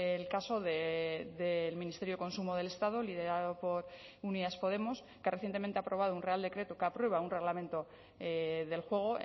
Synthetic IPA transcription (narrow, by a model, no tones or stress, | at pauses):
elkaso̞ðeðelmĩnist̪e̞ɾjuoko̞nsumoðe̞le̞st̪að̞olið̞e̞ɾaðopo̞ɾuniðaspo̞ð̞e̞mo̞s | keare̞θjent̪ement̪e̞apɾo̞βað̞ounreald̪e̞kɾe̞t̪okeapɾwe̞β̞aunre̞ɣlamẽ̞nt̪o̞ | ðe̞lxwe̞ɣ̞o̞